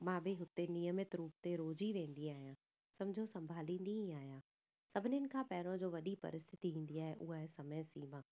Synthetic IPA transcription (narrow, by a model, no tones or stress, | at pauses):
mãːbʱɪɦʊt̪enɪjəmɪt̪ɾuːp̚t̪eɾoːd͡ʑiʋẽːnd̪iaːɦijãː | sɐ̃md͡ʑʱosɐ̃mbʱaːlĩːnd̪iɦĩaːɦjãː | sɐbʱɪnɪɪnɪ̆kʰãːpɛːɾõd͡ʑoːʋɐɗipɐ̰ɾɪst̪ʰɪt̪iʋĩːn̆d̪iaːɦeʔʊɦaɦesɐməjsiːmãː